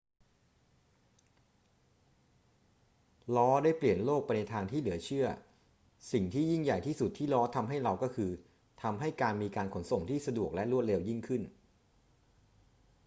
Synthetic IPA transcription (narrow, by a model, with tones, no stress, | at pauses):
lɔː˦˥daː˥˩jpli˨˩ənloː˥˩k̚pa˧jna˧jt̪ʰaː˧ŋt̪ʰiː˥˩lɯ˨˩˦ɐt͡ɕʰɯ˥˩ɐ | si˨˩ŋt̪ʰiː˥˩ji˥˩ŋja˨˩jt̪ʰiː˥˩su˨˩t̪ʰːiː˥˩lɔː˦˥t̪ʰa˧mɦa˥˩jɾa˧wkɔː˥˩kʰɯː˧ | t̪ʰa˧mɦa˥˩jkaː˧nmiː˧kaː˧nkʰo˩˦nso˨˩ŋt̪ʰiː˥˩sa˧du˨˩ək̚lɛ˦˥ʔɾu˥˩t̪̚le˧wji˥˩ŋkʰɯ˥˩n